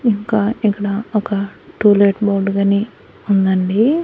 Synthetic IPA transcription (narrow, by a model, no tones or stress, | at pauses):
iŋkaːikːɐɽɐɔkɐʈuːleːʈboːɾɖɡɐneː | und̪ɐɳɖi